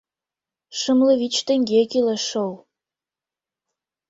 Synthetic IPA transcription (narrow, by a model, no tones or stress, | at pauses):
ʃəmləβit͡ɕt̪ə̆ŋɡekileʃow